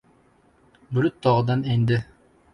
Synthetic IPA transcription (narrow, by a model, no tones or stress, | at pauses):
bɵlɵt̪ːɑʁɤ̆d̪ɑnænd̪ɘ